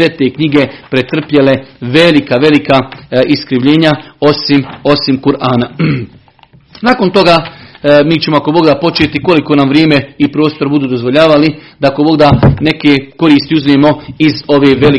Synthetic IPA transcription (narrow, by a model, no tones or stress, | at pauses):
et̪ekɲiɡe̞pɾet̪r̩pjele̞ʋe̞likaʋe̞likaiskɾiʋʎe̞ːɲao̞simo̞simkuɾʔaːna | naːko̞nt̪o̞ɡaːmiːt͡ɕe̞moako̞bo̞ɡd̪apo̞t͡ʃet̪iko̞liko̞namʋɾjeːme̞ipɾo̞ːst̪oɾbud̪uːd̪o̞zʋoʎaːʋalid̪ako̞bo̞ɡd̪ane̞keko̞ɾiːst̪iuzmemo̞izo̞ʋeːʋe̞li